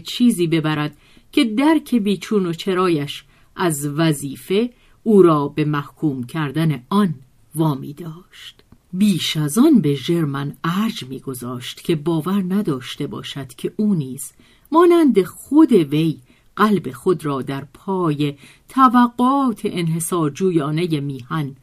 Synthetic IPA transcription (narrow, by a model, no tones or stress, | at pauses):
t͡ʃʰiːziːbe̞bæɾæd̪̥̚ | cʰe̞d̪æɾcʰe̞biːt͡ʃʰuːno̞t͡ʃʰe̞ɾɒːjæʃ | ʔæzvæziːfe̞ | uːɾɒːbe̞mæhkʰuːmcʰæɾd̪æne̞ɒn | vɒːmiːd̪ɒːʃt̪biːʃæzɒnbe̞ʒe̞ɾmænæɾd͡ʒmiːɡo̞zɒːʃt̪cʰe̞bɒːvæɾnæd̪ɒːʃt̪e̞bɒ̰ːʃæd̪̥cʰe̞ʔuːniːz̥ | mɒːnænd̪e̞xod̪e̞ve̞j | ɢælbe̞xo̞d̪ɾɒːd̪æɾpʰɒːje̞ | t̪ʰævæɡːoɒːt̪ʰeʔenɦe̞sɒːɾd͡ʒuːjɒːne̞je̞miːhæn